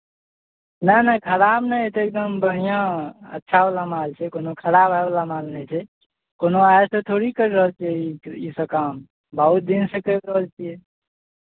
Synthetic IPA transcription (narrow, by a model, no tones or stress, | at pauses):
nənəkʰəɾabnəjt̪oek̚d̪əmbəɦijãə̰tːʃʰalamalt͡ʃʰɛkonokʰəɾabaeblamalnɛt͡ʃʰɛ | konoajsə̃t̪ʰoɾikəɾiɾəɦəlt͡ʃʰɛiisəkam | bəɦut̪̚d̪insəkəkɾəɦəlt͡ʃʰijɛ